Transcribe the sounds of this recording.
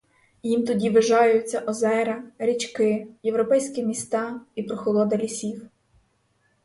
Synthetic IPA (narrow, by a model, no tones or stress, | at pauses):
jimt̪ɔdʲiʋɪʒɑjʊt͡sʲːɐʔɔzɛɾɐɾʲit͡ʃkɪjewɾɔpɛjsʲkɪmʲist̪ɑipɾɔxɔlˠɔd̪ɐlʲisʲiw